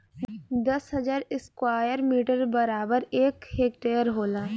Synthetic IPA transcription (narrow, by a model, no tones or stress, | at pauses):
d̪ɐsɦɐd͡ʒaːɾɪskwaːjəɾmiːʈəɾbɐɾaːbəɾeːkheːk̚ʈeːjəɾɦoːlaː